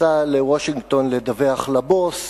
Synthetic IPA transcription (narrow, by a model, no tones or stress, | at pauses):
alewoʃiŋɡt̪o̞nled̪aveaχlabos